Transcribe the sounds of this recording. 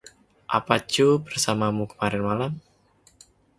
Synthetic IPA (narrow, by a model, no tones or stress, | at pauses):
ʔapḁt͡ʃubərsamamukə̥maɾɪnmalam